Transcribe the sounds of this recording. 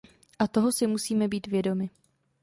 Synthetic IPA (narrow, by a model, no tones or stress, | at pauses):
ʔat̪o̞ɦo̞sɪmusiːmɛbiːt̪vjɛdo̞mɪ